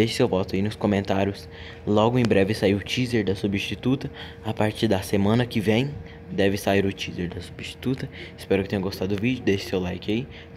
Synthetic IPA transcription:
eʃɪ̥sewvɔt̪ʊainʊskõmẽnt̪aɾjʊs | lɔɡʊẽj̃bɾɛvɪsaiwʊt͡ʃizeɾd̪ɐsubist͡ʃit̪ut̪ɐ | apaɾt͡ʃiɾd̪ɐsemɐ̃nɐkɪvẽj̃ | d̪ɛvɪsaiɾʊt͡ʃizeɾd̪ɐsu̥biʃt͡ʃi̥t̪ut̪ɐɪspɛɾʊkɪt̪ẽɲ̃ɐɡost̪ad̪ʊd̪ʊvid͡ʒʊd̪eʃɪ̥sewlajkɪai

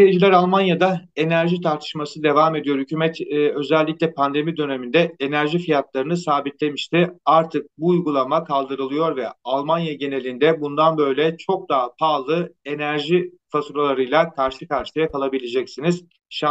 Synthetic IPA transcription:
eeʒlʲæɾalˠmanjad̪ae̞næɾʒit̪ʰaɾt̪ʰɯ̥ʃmasɯd̪e̞vaːme̞d̪ijo̞ɾhycʰyːmɛt̪ːø̞zɛlʲːiclʲɛpʰand̪e̞mid̪ø̞ne̞mind̪ɛe̞næɾʒifijat̪lˠaɾɯnɯsaːbit̪lʲe̞miʃt̪ɪaɾt̪ʰɯk̚buːjɡulˠamakʰalˠd̪ɯɾɯlˠɯjo̞ɾvɛalˠmanjaɟe̞ne̞lʲind̪ɛbund̪anbø̞jlʲɛt͡ʃʰo̞k̚d̪aɦpʰaːlˠɯe̞næɾʒi | fasɾolˠaɾɯjlˠakʰaɾʃɯkaɾʃɯlˠajakalˠabilʲed͡ʒɛcsiniz̥ | ʃa

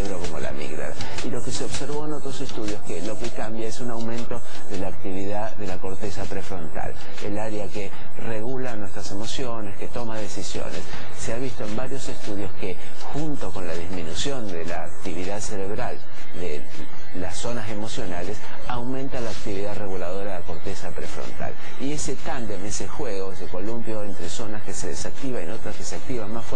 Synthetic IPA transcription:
eβɾoko̞mo̞̰la̰mḭɣɾa̰ɾa̰ | ilokeseoβse̞ɾβ̞o̞eno̞t̪ɾose̞st̪uð̞jo̞skelo̞kekambjae̞sunawmẽ̞nt̪o̞ | ðelaːk̚t̪iβ̞iðaðe̞lako̞ɾt̪e̞sapɾefɾo̞nt̪a̰l | elaɾeake | reɣulanwe̞st̪ɾase̞mo̞sjo̞ne̞ske̞t̪o̞maðe̞sisjo̰nes | seaβ̞ist̪o̞e̞mbaɾjo̞se̞st̪uð̞jo̞ske | xunt̪o̞ko̞nlaðizminusjo̞nd̪elaːkt̪iβiðaðseɾeβɾal | d̪ḛ | laso̞nase̞mo̞sjo̞nales | awmẽnt̪alaːk̚t̪iβiðaðreɣulað̞o̞ɾaelako̞ɾt̪esapɾḛfɾo̰nt̪a̰l | ie̞set̪and̪emesexweɣo̞eseko̞lumpjo̞ent̪ɾeso̞naskeseðḛsak̚t̪iβaḛnot̪ɾaskeseak̚t̪iβanmasfw

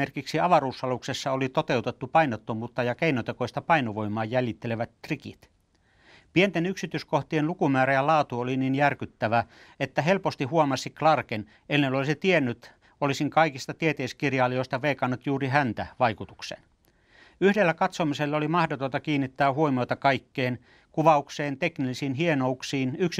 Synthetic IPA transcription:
erkiksiɑʋɑruːsɑluksesːɑolit̪ot̪eut̪et̪ːupɑinot̪ːomuːt̪ːɑjɑkeinot̪ekoist̪ɑpɑinoʋoimˑɑːjæljit̪ːeleʋæt̪t̪rikḭt̪ | pient̪enyksit̪yːskoht̪ienlukumæːɾæjɑlɑːt̪uolininjærkyt̪ːæʋæ | et̪ːæɦelpost̪ihuomɑsiklɑrken | enːenolisit̪ienːyt̪ | olisiŋkɑikist̪ɑt̪iet̪eiskirjɑːlijoist̪ɑʋeːkɑnːut̪juːriɦænt̪æʋɑikut̪uksen | yhdelːækɑt̪somiselːolimɑhdot̪ont̪ɑkiːnːit̪ːæːɦuomiot̪ɑkɑikːeːn | kuʋɑukseːnt̪eknilːisiːnɦienouksiːnyks

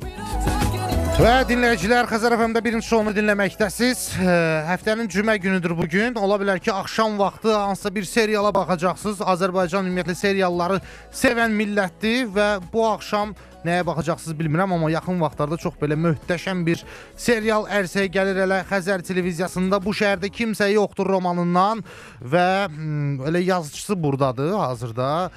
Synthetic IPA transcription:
væd̪inlæjid͡ʒilæɾxæzæɾovæmd̪æbiɾint͡ʃʰi̥ʃso̞unɯd̪inlæmæçd̪æsiz̥ɦæft̪ænind͡ʒymæɟynyd̪yɾbuɟyno̞lˠɑbilæɾcʰiɑχʃɑmvɑχt̪ʰɯhɑnsɯ̥sɑbiɾse̞ɾijɑlˠɑbɑχɑd͡ʒɑχsɯzɑːzæɾbɑjd͡ʒɑnymijæt̪lise̞ɾijɑlˠːɑɾɯ | se̞vænmilːæt̪̚d̪ivæbuɑχʃɑm | næjæbɑχɑd͡ʒɑχsɯzbilmiɾæmɑmːɑjɑχɯnvɑχt̪lˠɑɾd̪ɑt͡ʃʰo̞χbe̞læmøht̪æʃænbiɾ | se̞ɾijɑlˠæɾsæjæɟæliɾælæxæzæɾt̪ʰe̞levizijɑsɯnd̪ɑbuʃæɦæɾd̪æcʰimsæjo̞χd̪uɾo̞mɑnɯnːɑn | væ | be̞læjɑzɯt͡ʃʰɯ̥sɯbuɾd̪ɑd̪ɯhɑːzɯɾd̪ɑ

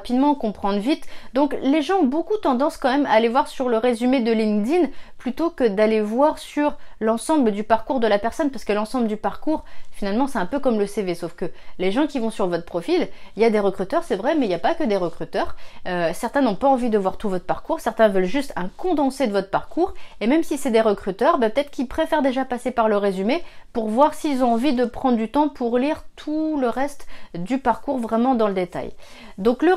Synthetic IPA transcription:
pid̪mɑ̃kɔ̃pχɑ̃d̪ʁvit̪d̪ɔ̃kleʒɑ̃ɔ̃bokut̪ɑ̃d̪ɑ̃skɑ̃mɛmaːlevwaʁsyʁləʁezymed̪əlĩŋd̪inplyt̪okəd̪alevwaʁsyʁlɑ̃sɑ̃bləd̪ypaʁkuʁd̪əlapɛʁsɔnpaʁsə̥kəlɑ̃sɑ̃bləd̪ypaʁkuʁfinalmɑ̃sɛt̪ɛ̃pøkɔmləsevesofkəleʒɑ̃kʲivɔ̃syʁvɔt̪χəpχɔfililjad̪eʁəkχyt̪œʁsɛvʁɛmɛiljapakəd̪eʁəkχyt̪œːʁøsɛʁt̪ɛ̃nɔ̃paɑ̃vid̪əvwaʁt̪uvɔt̪χpaʁkuʁsɛʁt̪ɛ̃vœlʒyst̪ʰɛ̃kɔ̃d̪ɑ̃sed̪əvɔt̪χəpaʁkuːʁemɛmsisɛd̪eʁəkχyt̪œʁbɛpət̪ɛt̪χəkʲilpχefɛʁd̪eʒapasepaʁləʁezymepuʁvwaʁsiːlzɔ̃ɑ̃vid̪əpχɑ̃d̪ʁd̪yt̪ɑ̃pʰuʁliʁt̪ʰuləʁɛst̪d̪ypaʁkuʁvʁɛmɑ̃d̪ɑ̃ləd̪et̪a̰jd̪ɔ̃klə

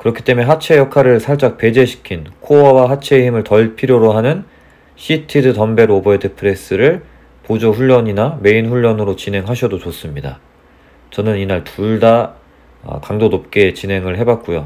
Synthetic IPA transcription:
kɯɾʌkʰi̥t͈e̞meɦat͡ɕʰe̞jʌkʰaɾɯɭsʰaɭt͡ɕ͈ak̚p͈e̞d͡ʑe̞ɕʰi̥kʰinkʰoʌwaɦat͡ɕʰe̞ɦimɯɭtʌɭpʰiɾjoɾoɦanɯn | ɕʰitʰidɯtʌmbe̞ɾobʌedepʰɯɾe̞s͈ɯɾɯɭ | pod͡ʑoɸuʎːʌɲiname̞inɸuʎːʌnɯɾot͡ɕinɦe̞ŋɦaɕʰʌdot͡ɕos͈ɯmɲida̰ | t͡ɕʌnɯninaɭtuɭda̰ | kaŋdonop̚k͈e̞t͡ɕinɦe̞ŋɯɭɦe̞bat̚k͈ujo

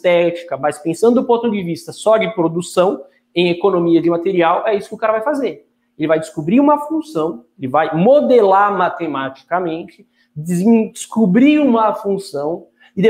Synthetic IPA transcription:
t̪ɛt͡ʃi̥kɐmɐspẽsɐ̃nd̪ʊd̪ʊpõnt̪ʊd͡ʒɪvist̪ɐsɔd͡ʒɪpɾod̪usɐ̃w̃ | ẽj̃ekonõmiɐd͡ʒɪmat̪eɾiawʔɛisʊ̥kɪʊkaɾɐvajfazeɾ | elɪvajd͡ʒɪskubɾiũmɐfũsɐ̃w̃elɪvajmod̪elaɾmat̪emat͡ʃi̥kɐmẽnt͡ʃɪ | dz̃skubɾiɾũmɐfũsɐ̃w̃ | ɪd̪e

